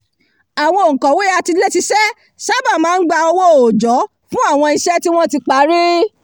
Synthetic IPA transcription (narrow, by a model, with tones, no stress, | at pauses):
a˨w̃ɔ̃˧o˨ŋ̩˨kɔ̃˨we˦a˧ti˧le˦ti˧sɛ˦ | sa˦ba˦˨mãː˨˦n̩˦ɡ͡ba˧ɔ˧wɔ̃˦o˨d͡ʒɔ˨˦ | fũ˦a˦˨w̃ɔ̃˧i˧ʃɛ˦ti˦w̃ɔ̃˦ti˧k͡pa˨˦ɾi˦